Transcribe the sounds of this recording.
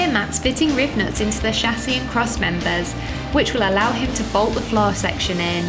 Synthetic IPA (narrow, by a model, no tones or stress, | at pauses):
əmatsfɪtɪ̃ŋɹɪvnətsɪ̃ntuðəʃasiə̃nkʰɹ̥ɒsmɛ̃mbəz̥ | wɪt͡ʃwɪləlaʊɪ̃mtʰəbɒʊlˠʔðəflɑːsɛ̰kʃə̃nɪ̃n